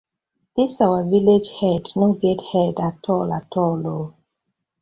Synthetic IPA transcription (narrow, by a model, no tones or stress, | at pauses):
d̪̥isawəviled͡ʒhɛdnoɡɛthɛdatʰɔlatʰɔlːo